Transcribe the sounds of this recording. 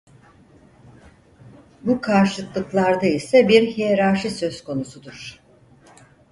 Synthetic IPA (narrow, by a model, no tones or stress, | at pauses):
bukʰaɾʃɯklˠɯklˠaɾd̪aisɛbiɾheɾaʃɯsø̞zkʰo̞nusud̪uɾ̥